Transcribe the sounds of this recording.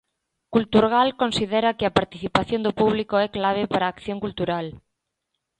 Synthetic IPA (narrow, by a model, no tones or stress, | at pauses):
kult̪uɾɣalkonsiðɛɾɐkɪɐpaɾt̪iθipaθjõnd̪ʊpuβlikoɛklaβ̞ɪpaɾaːkθjõŋkult̪uɾal